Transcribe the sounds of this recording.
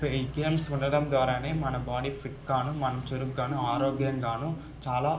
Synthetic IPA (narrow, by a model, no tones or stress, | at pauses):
pɡeːmsuɳɖɐɽɐmd̪ʋaːɾaːne̞ːmɐnɐbaːɽiːpʰiʈkaːnumɐnɐmt͡ʃeɾuɡːaːnuaːɾoːɡjɐŋɡaːnu | t͡ʃaːlaː